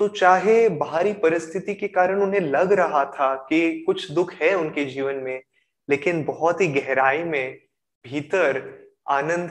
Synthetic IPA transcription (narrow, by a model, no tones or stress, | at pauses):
t̪ot͡ʃaːɦebaːɾipɐɾɪst̪ʰɪt̪ikekaːɾəɽ̃ʊnɦẽlɐɡɾɐɦat̪ʰakikʊt͡ʃʰd̪ʊkʰɦɛʊnked͡ʒiːʋənmẽ | leːkɪnbɐɦɔt̪ɦiɡɛɦɾaːimẽ | bʱiːt̪əɾ | aːnə̃nd̪ʱ